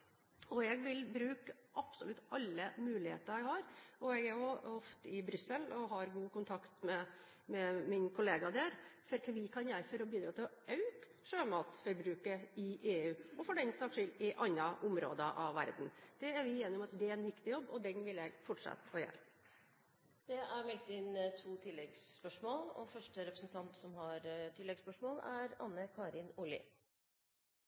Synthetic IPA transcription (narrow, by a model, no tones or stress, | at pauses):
ɔɛɡʋɪlbɾʉːkʔɑpsɔlʉt̪ːɑlːəmʉːlɪhḛːt̪əɾjɛɡhɑɾɔɛɡæɾjɔɔft̪əɪbɾʏsːəlɔɦɑɾɡuːkʰʊnt̪ʰɑkt̪mɛ | mɛmɪnkʰʊleːɡɑd̪æːɾfɔɾkʰʋɪkʰɑnjæɪfɔɾɔbiːd̪ɾɑːt̪ʰɪlɔɑʉk | ʂøːmɑːt̪fɔɾbɾʉːkəɪʔeːʉːɔfɔɖɛnst̪ɑːkʂʏlɪʔɑnːɑʔʊmɾo̰ːd̪əʔɑ̰ʋʋæ̰ɾd̪n̩d̪̥ɛæɾʋɪɛnɪʊmɑt̪̚d̪ɛæɛnʋɪkt̪ɪjɔbːɔd̪ɛnʋɪljæɪfɔʈʂɑ̰t̪ːɔjɛ̰l | d̪̥ɛʔæɾmɛlt̪ɪnt̪ʰuːt̪ʰɪlːɛɡspœʂmoːlɔ̰fœʂʈəɾɛpɾəsn̩t̪ʰɑnt̪sɔmhɑɾt̪ʰɪlːɛɡspœʂmoːlæɾɑ̰nːəkʰɑːɾɪnʊlɪ̰